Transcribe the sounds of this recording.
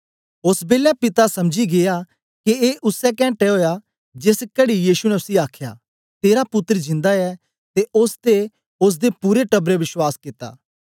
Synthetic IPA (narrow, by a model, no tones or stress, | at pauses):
ʊsbeːlɛpɪt̪asɐmd͡ʒiɡeːja | kieʔʊsːɛkɛ̃ːɳʈɛɦoːja | d͡ʒeːskɐɽijiːsunɛʊsiaːkʰja̰ | t̪eːɾapʊt̪ːəɾd͡ʒɪ̃nd̪aɛ | t̪eʔʊst̪e | ʊs̬d̪epuːɾeʈɐbɾeʋɪʃwaːskɪt̪ːa̰ː